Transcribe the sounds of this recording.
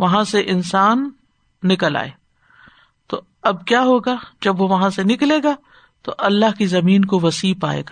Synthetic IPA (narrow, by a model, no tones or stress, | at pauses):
ʋɐɦãseʔɪnsaːnː | ɪkəla̰ːḛː | t̪o | ɐbkjaːɦoːɡaːd͡ʒɐbʋoʋɐɦãsenɪkleːɡaː | t̪oʔɐlːaɦkizɐmiːnkoʋɐsiːpa̰ːḛːɡaː